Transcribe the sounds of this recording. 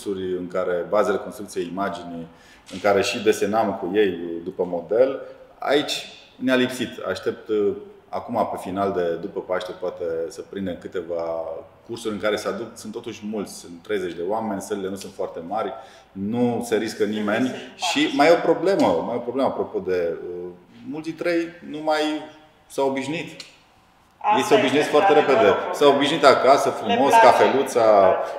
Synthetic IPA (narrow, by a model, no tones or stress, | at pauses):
surʲɨŋkaɾe̞bazele̞konst̪ɾukt̪ijeimad͡ʒini | ɨŋkaɾe̞ʃid̪e̞se̞namkuje̞jd̪upəmo̞d̪e̞la̰it͡ʃʲ | nealipsit̪a̰ʃt̪e̞p̚t̪ | a̰kumape̞finald̪e̞d̪upəpaʃt̪epoat̪e̞səpɾind̪e̞nkɨt̪e̞vakursuɾʲɨŋkaɾe̞sead̪uk̪̚sunt̪ːo̞t̪uʃʲmult̪sʲsunt̪ːɾe̞jzet͡ʃd̪e̞oame̞nʲsəɾlile̞nusunt̪foart̪e̞marʲ | nuse̞ɾiskənime̞nʲʃimajopɾo̞ble̞məmajopɾo̞bleməapɾo̞po̞d̪e̞ə | mult̪d̪int̪ɾejnumaj | saobiʃnit̪ | jejseobiʃnieskfoart̪e̞ɾepe̞d̪e̞saobiʃnit̪akasəfɾumo̞skafe̞lut̪sa